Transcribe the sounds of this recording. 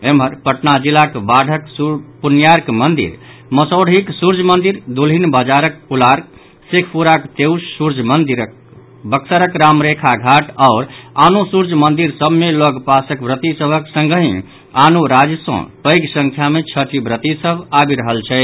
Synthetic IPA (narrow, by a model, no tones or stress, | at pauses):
emɦəɾpəʈnad͡ʒilakbaɽʱəkspunjaɾkmənd̪ḭɾ | məsoɽ̤ɦiksuɾd͡ʒmənd̪iɾd̪ulinbəd͡ʒaɾək̚pulaɾk | sekʰpuɾakt̪ewsːuɾd͡ʒʱmənd̪iɾk | bəksəɾəkɾamɾekʰaɡʱaʈaʊɾanusuɾd͡ʒmənd̪iɾsəbʱmeləɡpasəkbɾət̪isəbʱəksə̃ŋɡəɦĩ | anuɾad͡ʒsə̰̃pəjɡsə̃ŋkʰjamet͡ʃʰəʈibɾət̪isəbabiɾəɦəlt͡ʃʰɛ